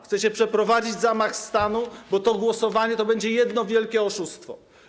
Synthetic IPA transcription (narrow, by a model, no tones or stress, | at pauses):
xt̪sɛt͡ɕɛpʂɛpɾɔvad͡ʑid͡ʑzamaxst̪anubɔt̪ɔɡwɔsɔvaɲɛt̪ɔbɛɲd͡ʑɛjɛd̪nɔvʲjɛlkʲɛɔʂust̪fɔ̰